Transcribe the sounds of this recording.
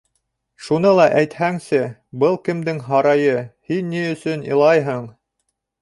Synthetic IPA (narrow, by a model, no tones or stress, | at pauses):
ʃunɤlˠɑʔæjt̪hæŋsɘbɤlˠkɘ̆md̪ɘŋɦɑɾɑjɤhinːiɵ̆sɵnḭ̆lˠɑjɦɤɴ